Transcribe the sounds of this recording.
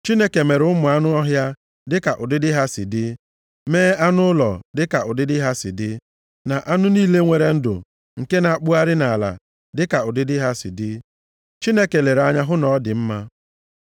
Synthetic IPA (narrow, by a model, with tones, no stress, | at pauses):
t͡ʃi˦ne˦ke˨me˨ɾʊ˦mʊ˨a˦nʊ˦ɔ˦ɦja˦ | dɪ˦ka˨ʔʊ˨dɪ˦dɪ˦ɦa˦sɪ̰˨dɪ˦ | meː˦a˦nʊ˦ʊ˦lɔ̰˨dɪ˦ka˨ʔʊ˨dɪ˦dɪ˦ɦa˦sɪ̰˨dɪ˦ | na˨ʔa˦nʊ˦niː˦le˦ŋʷe˨ɾe˦n̩˦dʊ̰˨ | ŋ̩˨ke˦na˨k͡pu˦a˦ɾɪ˦na˨la̰˨ | dɪ˦ka˨ʊ˨dɪ˦dɪ˦ɦa˦sɪ̰˨dɪ˦ | t͡ʃi˦ne˦ke˨le˨ɾa˦ɲa˦ɦʊ˦nɔ˨˦dɪ˨m̩˦ma˦